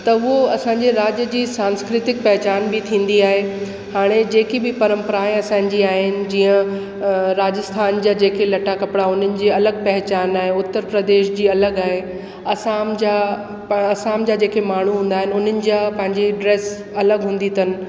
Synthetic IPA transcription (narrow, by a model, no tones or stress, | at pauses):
t̪ɐʊɦoɐsãːɲd͡ʑeɾaːd͡ʑjəd͡ʑiːsãːnskɾɪt̪ɪk̚pɐɦɪt͡ɕaːnbɪt̪ʰĩːn̆d̪iaːɦe | haːɽ̃ed͡ʑeːkibɪpɐɾə̃mpɾaːẽɐsãːɲd͡ʑiaːɦɪnɪ̆d͡ʑiːə̃ | ɾaːd͡ʑəst̪ʰaːnd͡ʑaːd͡ʑeːkelɐʈakɐpɽaʊn̤ənɪ̆d͡ʑiːɐləɡ̚pɐɦɪt͡ɕaːnaːɦeʊt̪ːəɾpɾəd̪eːʃd͡ʑiːɐləɡaːɦe | ɐsaːmd͡ʑa | ɐsaːmd͡ʑaːd͡ʑeːkemaːɳ̤uɦũːn̆d̪aːɦɪnɪʊn̤ənɪ̆d͡ʑaːpɐ̃ɦɪ̃ɲd͡ʑeɖɾeːs | ɐləɡɦũːn̆d̪it̪ʰənɪ̆